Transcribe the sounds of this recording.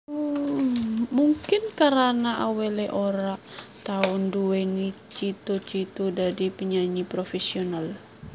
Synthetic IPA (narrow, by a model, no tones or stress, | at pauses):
muŋkɪnkaɾanaʔawelɛʔoɾaʔt̪aʊnduenit͡ʃit̪ut͡ʃit̪udadipəɲaɲipɾofɛsional